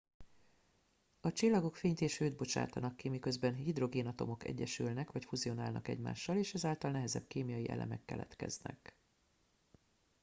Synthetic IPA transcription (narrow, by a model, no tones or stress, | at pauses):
ɒt͡ʃilːɒɡo̞kfeːɲt̪eːʃøːd̪̚bo̞t͡ʃa̰ːt̪ɒnɒkːimikø̞zbɛnhid̪ro̞ɡeːnɒt̪o̞mo̞kɛ̰ɟːɛʃylnɛkʋɒcfuzio̞naːlnɒ̰kɛ̰ɟma̰ːʃːɒleːʃɛzaːlt̪ɒlnɛɦɛzɛ̰b̥keːmijɒjiʔɛ̰lʔɛ̰mɛkːɛ̰lɛ̰t̪kɛznɛ̰k